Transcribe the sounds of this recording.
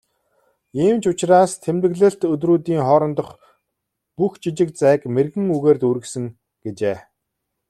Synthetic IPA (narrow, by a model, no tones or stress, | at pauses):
iːmt͡ɕʰʊt͡ɕraːst̪ʰemt̪ɘ̆ɣɮɘ̆ɬt̪ɵt̪ruːt̪iːŋχɔːɾɞ̆nt̪ɞ̆χ | puxt͡ɕit͡ɕɪ̆k̚t͡sæːkmerɣɘ̆ŋuɣeːrt̪uɾɘ̆ksɘ̆ŋ | ɡ̥et͡ɕeː